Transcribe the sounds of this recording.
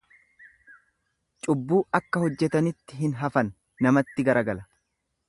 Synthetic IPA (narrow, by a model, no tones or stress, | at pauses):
t͡ʃʼʊbːuːʔɐkːɐhɔd͡ʒːɛt̪ɐnɪt̪ːɪɦɪnɦɐfɐnː | ɐmɐt̪ːɪɡɐɾɐɡɐlɐ